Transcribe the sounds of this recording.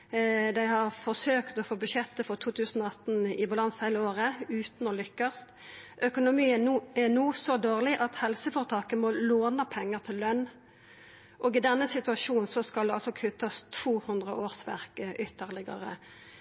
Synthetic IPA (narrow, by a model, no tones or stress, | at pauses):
d̪æɪhɑʁfɔʁsøːkt̪ɔfoːbʉʃɛt̪ːəfɔʁt̪ʰuːt̪ʰʉːsn̩ɔɑt̪n̩ɪ̰bɑlɑnshæɪləoːʁəʉːt̪n̩ɔlʏkːɑst̪ | ʔœkʊnʊmiːɛnuːsɔd̪oːʁlɪʔɑt̪hɛlsəfɔːʁət̪ʰɑːkəmɔloːnəpʰɛŋːəʁt̪ʰɪlːœnː | ʔɔːɡɪd̪ɛnːəsɪt̪ʉɑʂuːn̩sɔskɑld̪ɛɑlsɔkʰʉt̪ːɑst̪ʰvuːhʉnd̪ʁəʔoːʁsʋæ̰ʁkəʔʏt̪ːəʁlɪɡə̰ʁə̰